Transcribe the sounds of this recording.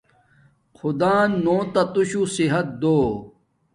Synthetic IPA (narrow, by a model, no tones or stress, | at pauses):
xʰud̪aːnːoːt̪ɐt̪uɕusiɦɐt̪̚d̪oː